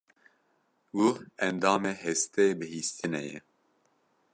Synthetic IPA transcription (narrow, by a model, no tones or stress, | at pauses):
wuɛnd̪ɑːmeːɦɛst̪eːbɨhiːst̪ɨnɛ̰jɛ̰